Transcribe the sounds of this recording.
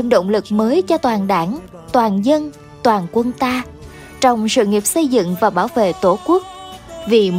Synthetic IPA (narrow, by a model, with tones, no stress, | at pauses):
mɗo̰˧˨wŋ͡mlɨ˨˩k̚məː˨˦jt͡ɕɔ˧t̪waː˨˩nɗaː˧˩n | t̪waː˨˩nzə˧n | t̪waː˨˩nkwə˧nt̪aː˧ | t͡ɕɔ˧wŋ͡msɨ̰˧˨ŋi˨˩əp̚sə˧jzɨ̰˧˨ŋvaː˨˩ɓaː˧˩wvḛ˧˨t̪o˧˩ku˦˥ək̚vi˨˩